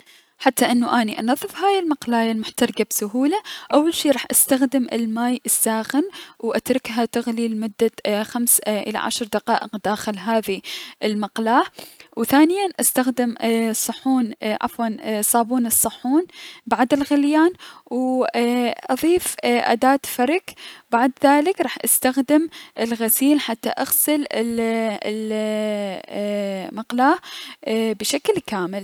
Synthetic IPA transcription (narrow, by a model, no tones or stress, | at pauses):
ħat̪ːaʔɪnːuʔaːniʔɑnɑðˤːɨfhaːjɪlmɑqlaːjalmʊħt̪ɑɾˤɡabsʊɦuːlaʔawːalʃiːɾˤɑːħʔast̪axd̪ɪmʔɪ̰lmaːjʔɪsːaːxɪnwʔat̪ɾˤɪkɦat̪aɣliːlmʊd̪ːaxamsʔɪ̰la̰ʕa̰ʃɾˤd̪aqɑːʔɪqd̪aːxɪlɦaːðiʔɪlmɑqlaːwθaːnɪjanʔast̪axd̪ɪmsˤːɑħːuːnʔa̰fwɑnsˤɑːbuːnɨsˤːɑħːuːnbaʕd̪ɪlɣɪljaːnw | ʔɑðˤiːfʔa̰d̪aːt̪fɑɾˤɪkbaʕd̪ðaːlɪkɾˤɑːħʔast̪axd̪ɪmʔɪlɣasiːlħat̪ːa̰ʔaɣsɪlɪll | mɑqlaː | bɪʃaklkaːmɪl